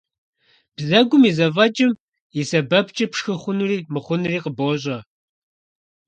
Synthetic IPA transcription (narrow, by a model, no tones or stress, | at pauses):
b̥zɐɡʷʊmizɐvɐt͡ʃʼɪm | jɪsɐbɐp̚ʰt͡ʃʼɐpʂxɨχʷʊnuːriːmɨχʷʊnɨriːqəboːɕ̬ʼɐ